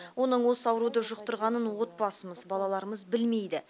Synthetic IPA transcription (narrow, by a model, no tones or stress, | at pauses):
wʔo̞nəɴwo̞sɑwɾud̪əʒʊqt̪əɾʁɑnənwo̞t̪̚pɑsəməzbɑlˠɑlˠɑɾəməzbɪlme̞jd̪ɪ